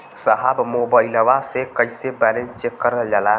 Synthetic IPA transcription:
səɦabmobailəʋasekəisebɛlẽnst͡ʃekːəɾd͡ʒala

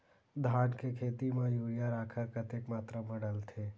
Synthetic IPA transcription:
d̪ʱaːnkekʰeːt̪imãjuːɽijaɾaːkʰəɾkət̪ekmaːt̪ɾəməɽ̃əlt̪ʰe

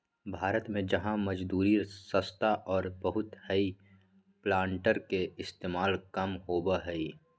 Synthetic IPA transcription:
bʱaːɾət̪mẽd͡ʒəɦãməd͡ʒd̪uːɾisəst̪aʔɔːɾbəɦʊt̪həi | plãːɳʈəɾkeɪst̪eːmaːlkəmɦoːbəɦəi

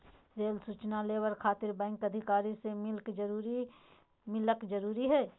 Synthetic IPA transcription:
ɾeːlsuːt͡ʃnaleːwəɾkʰaːt̪ɪɾbɛ̃ːŋkɐd̪ʱɪkaːɾisemɪlkd͡ʒɾuɾi | mɪləkd͡ʒɐɾuːɾiɦɛː

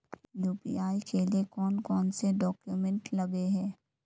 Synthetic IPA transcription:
juːpḭːaːikeliekɔːnkɔːnseɖɔːkjumɛ̃ɳʈlɐbeɦɛː

